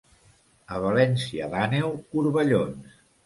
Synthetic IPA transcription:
əβ̞əlɛnsiəðanewkuɾβəʎons

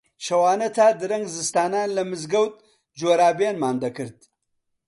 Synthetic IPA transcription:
ʃɐwɑːnət̪ʰad̪ɨɾɐŋɡzəst̪ɑːnɑːnlamɨzɡawt̪̚ | d͡ʒoɾɑːbenmaːnd̪ɐkəɾd̪̚

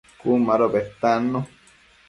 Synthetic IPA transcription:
kumaɾobeht̪ano

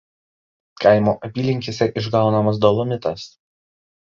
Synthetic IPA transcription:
kɐɪmoːʔɐpʲiːlʲɪŋʲkʲisʲɛʔɪʒɡɑˑʊnɐmɐs̬d̪ɔlˠɔmʲɪt̪ɐs

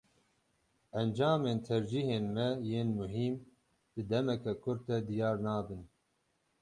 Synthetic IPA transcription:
ɛnd͡ʒɑːmeːnt̪ʰɛɾd͡ʒiːheːnmɛjeːnmuɦiːm | d̪̥ɨd̪ɛmɛkɛkʰʊɾ̚t̪ɛd̪ijɑːɾnɑːbɨn

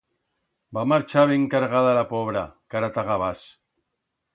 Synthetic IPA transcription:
bamaɾt͡ʃaβeŋkaɾɣaðalapoβɾa̰kaɾat̪aɣaβ̞as

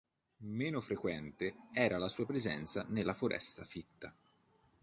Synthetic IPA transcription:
meːnofɾekwɛnt̪eɛːɾalasuːapɾezɛ̰nt̪sanelːafoɾʔɛ̰st̪afit̪ːa

